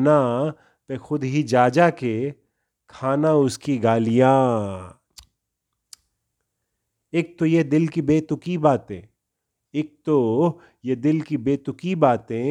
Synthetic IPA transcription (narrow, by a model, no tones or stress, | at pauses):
na | t̪exʊd̪ɦid͡ʒaːd͡ʒake | kʰaːnaʊskiɡaːlijaː | eːk̚t̪ojed̪ɪlkibeːt̪ʊkibaːt̪ẽː | eːk̚t̪o | jed̪ɪlkibeːt̪ʊkibaːt̪ẽ